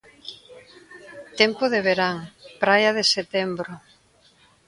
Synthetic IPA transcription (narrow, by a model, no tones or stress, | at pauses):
t̪empoðeβ̞eɾaŋpɾajɐðeset̪embɾʊ